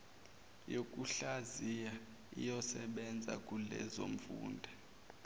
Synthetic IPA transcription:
jokʼuɬazija | ḭjɔsɛɓɛnd͡zʱa̰kʼulɛ̰zoɱfṵːndʱa

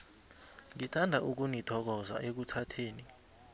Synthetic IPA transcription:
ŋitʰandʱaʔuk̬unitʰɔk̬ɔza̰ʔek̬utʰatʰeːni

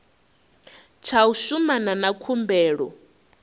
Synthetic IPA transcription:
t͡ʃʰausumananakʰumbɛːɺɔ̰

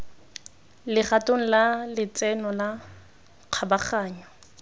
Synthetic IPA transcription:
lɪχatʼoŋ̩lalɪt͡sʼɛnɔla | q͡χʰabaχaːɲɔ

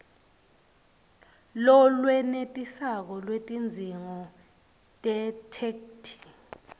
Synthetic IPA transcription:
lɔlwɛnetʼisak̬ɔlwetʼind͡zʱiŋɔ | tʼɛtʰɛktʰi̥

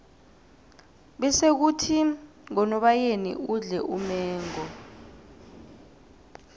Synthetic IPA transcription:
ɓɛsek̬utʰi | ŋɔnɔɓajenḭuɮɛʔumɛːŋɔ

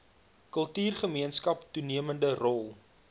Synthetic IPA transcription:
kəlˠtyːrχəmiənskɐptuniəməndərɔlˠ

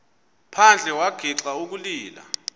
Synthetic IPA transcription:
pʰand͡ɮʱɛwaɡ̥ʱiǁauk̬uliːla̰

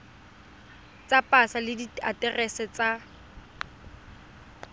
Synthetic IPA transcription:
t͡sʼapʼasalɪdia̰tʼɛrɛsɛt͡sʼa

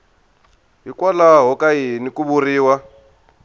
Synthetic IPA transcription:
ɦikwɔlaɦɔkaɦinikuβuriːwa

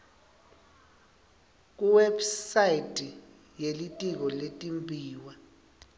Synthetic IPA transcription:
k̬uwebsaitʼi | jelitʼik̬ɔletʼimbʱiːwa

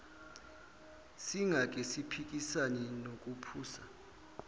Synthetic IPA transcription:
siŋʱak̬ʼɛsipʰik̬ʼisanɛnokʼupʰuːsa

